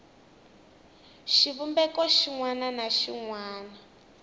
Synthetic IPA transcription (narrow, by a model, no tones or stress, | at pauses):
ʃiβumbɛkɔʃiŋwananaʃiŋwaːna